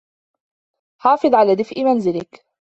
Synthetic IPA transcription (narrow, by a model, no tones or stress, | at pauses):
ħɑːfɨðˤʕalaːd̪ɪfʔɪmanzɪlɪk